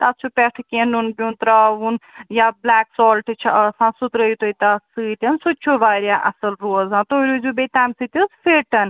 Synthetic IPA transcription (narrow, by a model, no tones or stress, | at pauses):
t̪at͡ʃʰupʲɛʈʰkiɐ̃nunpʲũnt̪ɾaunjablaːksɔːlʈt͡ʃʰsãːsut̪ɾɐjit̪oit̪asɨːt̪ʲɐnsut͡ʃʰoʋaːɾjaːʔɐsɐlɾoːzãːt̪oːɾʲuzuːbet̪aːmsɨːt̪ʲɨsfeːʈɐn